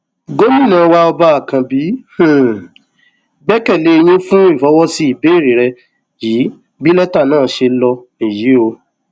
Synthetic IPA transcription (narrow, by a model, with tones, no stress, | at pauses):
ɡo˦mĩ˦˨nã˨˦˧wa˧ɔ˧ba˧a˦˨kã˨bi˨˦h̩˨ | ɡ͡bɛ˦kɛ˦˨le˨˦e˧j̃ĩ˦fũ˦i˦˨fɔ˨˦wɔ˦si˧i˨be˨˦˨ɾi˨˦ɾɛ˧ | jiː˨˦ | bi˦lɛ˦ta˦˨nãː˦˨˦ʃe˧lɔ˧nĩ˨ji˨˦o˧